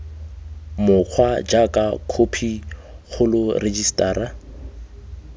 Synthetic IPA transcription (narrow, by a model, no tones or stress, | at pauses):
mʊq͡χʰwad͡ʒakʼakʰopʰiχʰʊlʊred͡ʒistʼaːɾa